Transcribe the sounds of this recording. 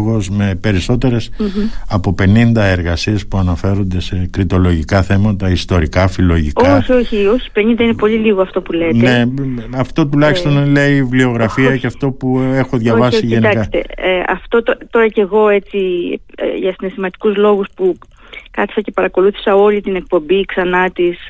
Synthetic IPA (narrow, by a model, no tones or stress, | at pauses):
ɣo̞zme̞pe̞ɾiso̞t̪e̞ɾe̞sɐpo̞pe̞nind̪ɐe̞ɾɣɐsie̞spuɐnɐfe̞ɾond̪e̞se̞kɾit̪o̞lo̞ʝikɐθe̞mɐt̪ɐist̪o̞ɾikɐfilo̞ʝikoɐsoçio̞çi̥pe̞nind̪ɐinepo̞ʎiliɣo̞ɐft̪o̞pule̞ːnt̪ee̞ɐft̪o̞t̪̬ulɐçist̪o̞nle̞ivlio̞ɣɾɐfiɐceɐft̪o̞pue̞xo̞ðʝɐvɐssiʝenɐkst̪e̞̰eɐ̰ft̪o̞t̪ot̪o̞ɾɐce̞ɣo̞e̞t͡sḭ | ʝɐsine̞st̪imɐt̪i̥kuzlo̞ɣuspu | kɐθi̥sɐce̞pɐɾɐko̞luθi̥sɐo̞lit̪ine̞k̚po̞mbiksɐnɐt̪is